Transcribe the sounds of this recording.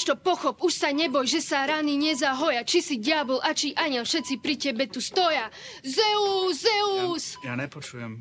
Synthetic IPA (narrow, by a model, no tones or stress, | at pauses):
ʃt̪ɔpɔxɔpuʃsaɲɛbɔjʒɛsaɾaniɲɛzaɦɔjat͡ʃisiɟɪabɔlʔat͡ʃiʔaɲɛlfʃɛtt͡sipɾicɛbɛt̪ust̪ɔja | zɛuzɛusjaɲɛpɔt͡ʃujɛ̰m